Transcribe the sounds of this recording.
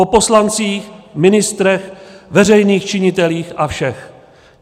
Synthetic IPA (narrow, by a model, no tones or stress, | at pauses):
opo̞slant͡siːxmɪnɪst̪ɾɛxvɛr̝ɛjniːxt͡ʃɪɲɪt̪ɛliːxʔafʃɛx